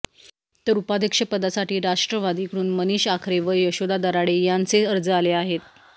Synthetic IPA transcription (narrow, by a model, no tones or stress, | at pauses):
t̪əɾupad̪ʱjəkʂəpəd̪asaʈiːɾaʂʈɾəʋad̪iːkɾuːnməniɕakʰɾeʋəjəɕod̪ad̪əɾaɽejant͡seəɾd͡zəaleaɦet̪̚